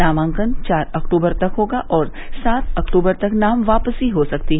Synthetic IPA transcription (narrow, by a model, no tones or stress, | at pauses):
aːmãːŋkənt͡ʃaːɾɐkʈuːbəɾt̪ɐkɦoːɡaʔɔːɾ | saːt̪ʰɐkʈuːbəɾt̪ɐknaːmʋaːpəsiɦosɐkt̪iɦɛ